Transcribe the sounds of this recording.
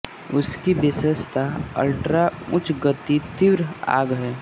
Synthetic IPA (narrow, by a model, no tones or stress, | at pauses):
ʊskibɪsəst̪ʰaə̰lʈɾaʊt͡ʃɡət̪it̪ɪʋɾa̰ːɡɦɛː